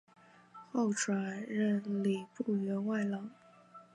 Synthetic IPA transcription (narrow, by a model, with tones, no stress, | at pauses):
xo˥˩ʊʈ͡ʂʰwa˨˩nɻə˥˩nli˨˩pu˥˩ɥɛ˧˥nwa˥˩ɪlɑ˧˥˦ŋ